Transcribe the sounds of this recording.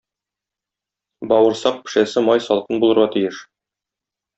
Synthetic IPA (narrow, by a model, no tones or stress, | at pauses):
bɒwɤ̆ɾsɑq̚pɘ̥̆ʃæsɘmɑjsɒlˠqɤnbulˠɤ̆ɾʁɑt̪ijɘʃ